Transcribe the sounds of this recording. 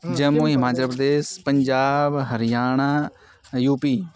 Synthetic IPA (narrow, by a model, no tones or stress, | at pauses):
d͡ʒəmuɦɪmaːt͡ʃəlpɾəd̪eːspəɲd͡ʒaːbɦəɾɪjaːɳaː | juːpiː